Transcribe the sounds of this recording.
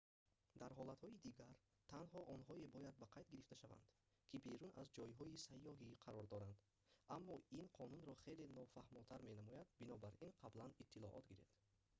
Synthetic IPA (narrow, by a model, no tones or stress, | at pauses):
d̪aɾɦɔlat̪hɔid̪iɡaɾ | t̪ʰanɦɔʔɔnɦɔebɔjad̪̚baqʰajd̪ɡiɾift̪aʃava̰nd̪̥ | kʰibeɾuna̰zd͡ʒɔjɦɔisajːɔɦiqʰaɾɔɾd̪ɔɾand̪ | amːɔinqʰɔnunɾɔχe̞jle̞nɔfahmɔt̪ʰaɾmenamɔjad̪binɔbaɾinqʰablanit̪ʰːilɔ̰ʔɔ̰t̪ɡiɾḛfd̪̥